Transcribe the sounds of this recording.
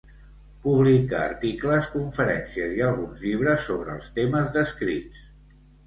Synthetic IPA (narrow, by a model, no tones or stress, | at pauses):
puβlika̰ə̰ɾt̪ikləskuɱfəɾɛnsiəziəlˠɣunzʎiβ̞ɾəsːoβɾəːlˠst̪eməzðəskɾḭt͡s